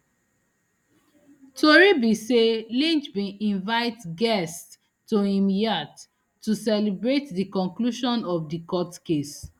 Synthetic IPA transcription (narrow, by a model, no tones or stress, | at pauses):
toɹibiselĩnt͡ʃbĩʔĩnvaɪtɡɛstː | ohĩmjatː | usɛlibɹetdikɔ̃ŋkluʃɔ̃nɔfdikɔtkes